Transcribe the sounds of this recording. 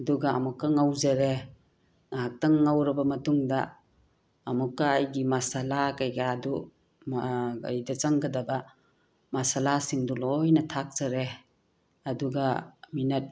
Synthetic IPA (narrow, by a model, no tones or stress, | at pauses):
ɐduɡɐːmukːɐŋawzɐɾe | ŋɦak̚tɐŋŋawɾɐbɐmɐtuŋdɐː | mukːɐːjɡimasalakajɡaːdu | ma̰jdɐt͡ʃɐŋɡɐdɐbɐ | masalasiŋdulojnɐtʰak̚z̥ɐɾe | ɐduɡɐminɐt̚